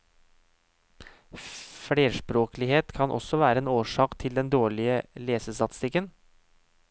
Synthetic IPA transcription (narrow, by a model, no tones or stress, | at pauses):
fɽeːʂpɾoːklɪheːt̪kʰɑnʔɔ̰sɔʋæːɾəeːnoːʂɑːkt̪ʰɪld̪ɛnd̪oːɭɪəleːsəst̪ɑt̪ɪ̥st̪ɪkːən